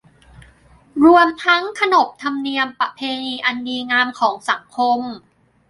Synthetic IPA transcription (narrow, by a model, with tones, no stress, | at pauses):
ɾu˧əmt̪ʰa˦˥ŋkʰa˧no˨˩p̚t̪ʰa˧mni˧əmpa˧pʰeː˧niː˧ʔa˧ndiː˧ŋaː˧mkʰɔː˩˦ŋsa˩˦ŋkʰo˧m